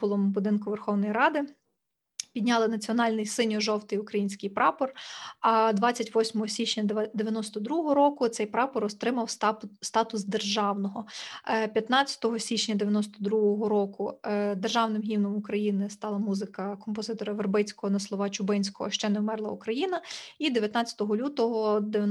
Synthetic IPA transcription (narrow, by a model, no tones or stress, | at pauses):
pʊlˠɔmbʊd̪ɪnkʊʋerxɔwnɔjiɾɑd̪ɪ | pʲidʲnʲɑlˠɪnɐt͡sʲiɔnɑlʲnɪjsɪnʲɔʒɔwt̪ɪjʊkɾɐjinʲsʲkɪjpɾɑpɔrɐd̪ʋɑt͡sʲːɐtʲʋɔsʲmɔɦɔsʲit͡ʃnʲɐd̪eʋjɐnɔst̪ɔd̪ɾuɦɔɦɦɔɾɔkʊt̪sɛjpɾɑpɔɾɔst̪ɾɪmɐwst̪ɑt̪ʊsd̪erʒɑwnɔɦɔpʲjɐt̪nɑt͡sʲːɐ̥t̪ɔɦɔsʲit͡ʃnʲɐd̪eʋʲjɐnɔst̪ɔd̪ɾuɦɔɦɔɾɔkʊd̪erʒɑwnɪmɦʲiwnɔmʊkɾɐjinɪst̪ɑlˠɐmuzɪkɐkɔmpɔzɪt̪ɔɾɐʋerbɪt͡sʲkɔɦɔnɐslˠɔʋɑt͡ʃʊbɪnʲsʲkɔɦɔ̰ʃt͡ʃɛnɛmɛrlˠɐukɾɐjinɐid̪eʋʲjɐt̪nɑt͡sʲɐ̥t̪ɔɦɔlʲut̪ɔɦɔd̪e